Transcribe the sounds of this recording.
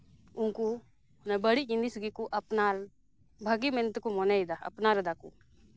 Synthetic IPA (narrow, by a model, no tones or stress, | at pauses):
uŋku | nɛbəɽiind̪isɡikuʔɐpnaɾ | bʱaɡimɛnt̪kumɔnɛid̪aɐ̰pnaɾd̪akṵ